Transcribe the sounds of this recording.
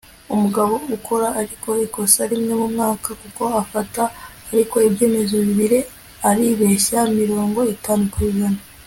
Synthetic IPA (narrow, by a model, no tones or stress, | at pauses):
umuɡaβo̞ukʰo̞ɾaʔːɾiko̞iko̞saɾimŋe̞mumŋaːkakuko̞afataː | ɾiko̞ibje̞ːme̞zoβiβiɾe̞ | aɾiβe̞ʃaimiɾo̞ːŋɡo̞itaːnukwiɡana